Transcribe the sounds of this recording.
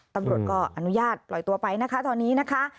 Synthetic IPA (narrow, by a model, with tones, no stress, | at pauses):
t̪a˧mɾu˨˩ət̪̚kɔː˥˩ʔa˧nu˦˥jaː˥˩t̪̚pʰlɔ˨˩jt̪u˧ɐpa˧jna˦˥kʰa˦˥t̪ʰɔː˧nːiː˦˥na˦˥kʰa˦˥ʔ